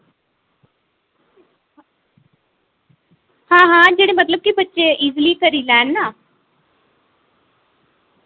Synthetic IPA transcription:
hãːɦãːd͡ʒeːɽemɐt̪ləb̚kibətːʃeʔiːzlikəɾilɛːnːaː

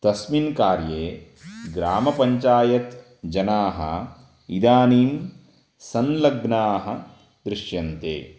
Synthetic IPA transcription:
t̪ɐsminkaːɾjeː | ɡɾaːmɐpɐɲt͡ʃaːjɐt̪ | d͡ʒɐnaːɦɐ̰ | id̪aːniːm | sɐnlɐɡnaːɦɐ | d̪ɾɪʂjɐnt̪ḛː

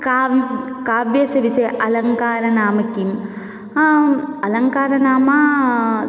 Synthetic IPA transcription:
kː | kaːbjɐsɐʋiseʔɐlɐŋkaːɾɐnaːmɐkːim | ɐlɐŋkaːɾɐnaːmɐ

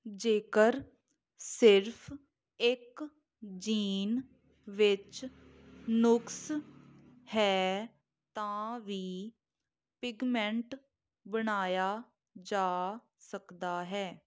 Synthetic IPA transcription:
d͡ʒeːkəɾ | sɪɾpʰ | ɪk | d͡ʒiːn | ʋɪt͡ʃ | nʊks | hɛː | t̪ãːʋiː | pɪɡmɛ̃ɳʈ | bənaːjaː | d͡ʒaː | səkd̪aːɦɛː

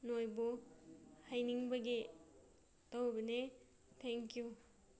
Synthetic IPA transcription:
nojbu | hajniŋbɐɡe | tawbɐne | tʰeŋkju

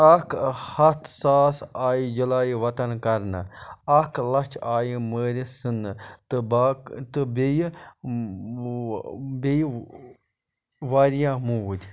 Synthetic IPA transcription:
ɐkhɐt̪ʰsaːsaːjid͡ʒɐlaːjiʋɐt̪ɐnkɐɾna̰ɐklɐt͡ʃʰaːjiməːɾʲisɨnɨt̪ɨbat̪ɨbej | be | ʋaːɾijãːmũːʋud̪ʲ

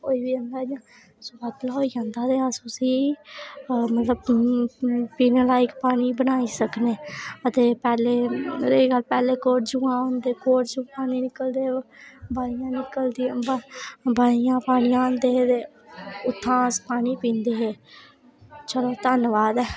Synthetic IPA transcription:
koːiːbiːənd̪aːd͡ʒãː | sʊbət̪lɔːiːd͡ʒãːnd̪aːd̪eːəsuːsiː | mət̪ləb | piːneːlaːɪkpaːɽ̃iːbənaːiːsəkneːət̪eːpɛːleːeːɡəlpɛːleːkoːʈd͡ʒuːãːõːnd̪eːkoːʈd͡ʒũːpaːniːnɪkəld̪eːbaːijãːnɪkəld̪iababaːijãːpaːɽ̃ɪjãːond̪eːt̪eː | ʊt̪ʰːãːəspaːniːpĩːnd̪eːɦeː | t͡ʃəloːt̪ənʋaːd̪ɛː

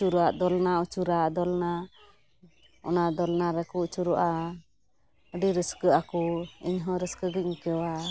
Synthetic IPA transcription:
t͡ʃuɾuaʔd̪ɔlnaut͡ʃuɾaʔd̪ɔlna | ɔ̰naʔd̪ɔlnaɾɛkuʔt͡ʃuɾɔʔa | əɖiɾəskəakuḭɲɦɔ̃ɾəskəɡəc̚ŋkɛwa

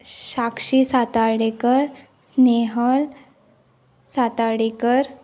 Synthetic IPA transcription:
ɕakʂisat̪aɽekəɾ | sneɦəl | sat̪aɽekəɾ

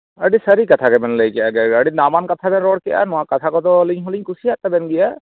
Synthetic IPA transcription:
əɖisəɾikat̪ʰakɛbɛnləjkɛjaɡɛəɖinabankat̪ʰabɛnɾɔɽkɛjʔa̰nɔwakat̪ʰakɔt̪ɔliɲɦɔliɲkʰusiat̪ːabɛnɡɛja

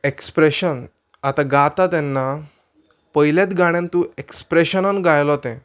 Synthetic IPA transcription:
ekspɾeɕən | at̪aɡat̪at̪ɛnːa | pəjljat̪ɡaɽ̃jãnt̪ũekspɾeɕənənɡajlɔt̪ɛ̃

